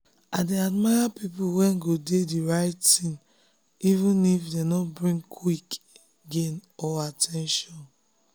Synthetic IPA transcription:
adeadmaɪapipuwɛ̃nɡodediɹaɪttĩn | ivũnifdenɔbɹĩŋkʰwike | ɡenɔatʰɛ̃nʃɔ̃n

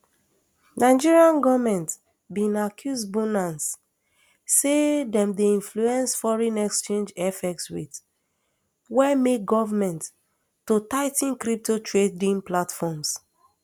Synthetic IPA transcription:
naɪd͡ʒiɹiãnɡɔvmɛ̃nt | bĩnakʰjusbunãnsː | edɛ̃mdeĩnfluɛ̃nsfɔɹɛ̃nɛkst͡ʃẽnd͡ʒɛfɛk̚tswit | wɛmek̚ɡɔvamɛ̃ntː | otaɪtĩnkɹip̚totɹedĩnplatfɔms

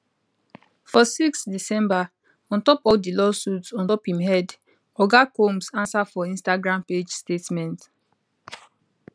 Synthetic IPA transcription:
fɔsiksdisɛ̃mba | ɔ̃ntɔpɔfdilɔsutsɔ̃ntɔphĩmɦɛd | ɔɡakomsãnsafɔĩnstaɡɹãmped͡ʒstetmɛ̃nt

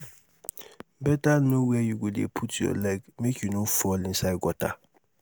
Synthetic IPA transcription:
bɛtanõwɛjuɡudiḛpʰutʰɔ̰lɛɡmekʰjunõfɔlɪ̃n̩saɪɡɔtʰa̰

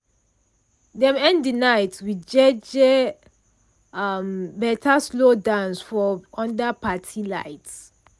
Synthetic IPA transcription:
dɛ̃mɛ̃ndinaɪtwid͡ʒɛd͡ʒɛ | ambɛtʰaslodãnsfɔɔ̃ndapʰatʰilaɪts

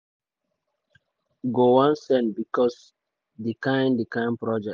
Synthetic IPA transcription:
ɡowãnsɛ̃nbikɔs | dikãj̃ndikãɪ̃npɹɔd͡ʒɛ

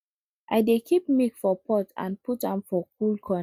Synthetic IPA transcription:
ʔaɪdekʰip̚mikfɔpʰɔtʰã̰nputãmfɔk̚ulkʰɔ

